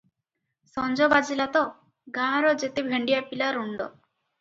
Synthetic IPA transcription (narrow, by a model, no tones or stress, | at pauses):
sɔnd͡ʒɔbad͡ʒilat̪ɔ | ɡãɾɔd͡ʒet̪ebʱeɳɖijapilaɾuɳɖɔ̰